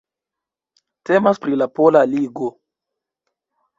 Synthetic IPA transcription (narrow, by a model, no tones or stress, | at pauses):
te̞maspɾilapolaliɡo